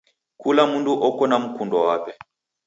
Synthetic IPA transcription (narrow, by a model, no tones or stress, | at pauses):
kulamunduʔɔkɔnam̩kundɔwapɛ